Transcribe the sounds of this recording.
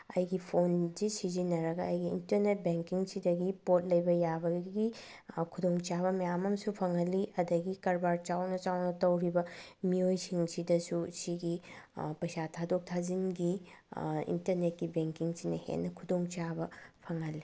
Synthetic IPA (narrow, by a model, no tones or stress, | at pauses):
ɐ̰jɡipʰonzisizinːɐɾɐɡɐɐjɡiːntɐɾnet̚beŋkiŋsidɐɡipot̚lɐjbɐjabɐɡi | kʰudoŋt͡ʃaβɐmɐjamɐmsupʰɐŋɐlːiʔɐdɐɡikɐɾbaɾt͡ʃawnɐt͡ʃawnɐtɐwɾibɐmiojsiŋsidɐsusiɡipɐjsatʰadok̚tʰazinɡi | ḭntɐɾnet̚kibeŋkiŋsinɐhḛnːɐkʰudoŋt͡ʃabɐpʰɐŋɐlːi